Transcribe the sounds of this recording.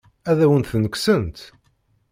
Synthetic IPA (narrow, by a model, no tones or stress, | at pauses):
æðæwənt̪θnəksənt̪